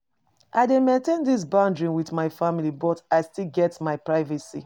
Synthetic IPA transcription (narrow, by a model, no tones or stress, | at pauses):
ʔaɪdẽnmẽntẽndis̬bãndɹĩnwiθmaɪfamilibɔtaɪstilɡɛtmaɪpɹaɪvɛsḭ